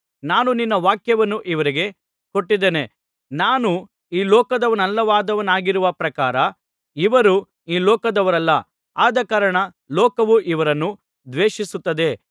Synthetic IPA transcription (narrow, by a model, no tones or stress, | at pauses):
naːnuninːɐʋaːkjɐʋɐnːuʔiʋɐɾiɡe̞ | ko̞ʈːid̪eːne̞ | naːnu | iːlɔːkɐd̪ɐʋɐnɐlːɐʋaːd̪ɐʋɐnaːɡiɾuʋɐpɾɐkaːɾɐ | iʋɐɾu | iːlɔːkɐd̪ɐʋɐɾɐlːɐ | aːd̪ɐkaːɾɐɳɐ | lɔːkɐʋuʔiʋɐɾɐnːu | d̪ʋeːʂisut̪ːɐd̪e̞